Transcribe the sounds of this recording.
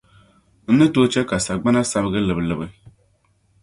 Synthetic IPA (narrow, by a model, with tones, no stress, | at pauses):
n̩˦nɨ˦to˦t͡ʃɛ˦ka˨sa˨ɡ͡ba˦na˦sa˦bɨ˦ɡɨ˦lɨ˨bɨ˨lɨ˨bɨ˦